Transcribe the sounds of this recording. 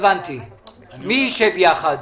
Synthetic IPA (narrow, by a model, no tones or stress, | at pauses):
vant̪ʰi | miːʃɛviaχa